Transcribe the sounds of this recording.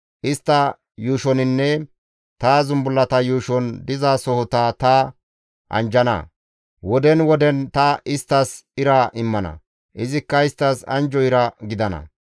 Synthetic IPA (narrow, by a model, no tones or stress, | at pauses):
ʔɪst̪ːɐ | juːʃɔnɪnːɛ | t̪aːzʊmbʊlːɐt̪ɐjuːʃɔnd̪ɪzaːsɔhɔt̪at̪ɐ | ʔɐ̰nd͡ʒɐnɐ̰ | wɔd̪ɛnwɔd̪ɛnt̪ɐʔɪst̪ːɐsɪɾɐʔɪmːɐnɐ̰ | ʔɪzɪkːɐɪst̪ːɐsɐ̰nd͡ʒɔɪɾɐɡɪd̪ɐnɐ̰